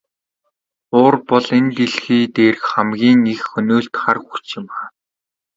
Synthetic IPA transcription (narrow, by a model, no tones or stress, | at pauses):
ʊːrpɔɮent̪eɮxiːt̪eːrkχamɡʲiːŋixxɵnoːɬt̪χarxu̥t͡ɕɪ̆m